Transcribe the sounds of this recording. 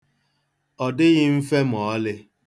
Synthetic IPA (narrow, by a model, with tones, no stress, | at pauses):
ɔ˨dɪ˦ɣɪ˦m̩˦fe˦m˨ɔ˨˦lɪ˦